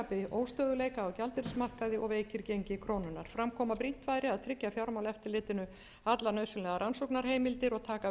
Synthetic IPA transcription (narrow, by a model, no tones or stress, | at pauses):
apɪʔoːwst̪œːðʏleːjkaɔwcalt̪ɪɾsmar̥kaðɪʔɔɣveːjcɪɾcejɲcɪkʰɾownʏnːaɾ̥fɾamkʰɔːmapɾi̥t̪vajɾɪaðt̪ʰɾɪcjafjawɾmawlɛft̪ɪɾlɪːt̪ɪnʏ | at̪lanœːɥsɪnlɛːɣaɾansowknaɾ̥heːjmɪlt̪ɪɾɔɣt̪ʰaːka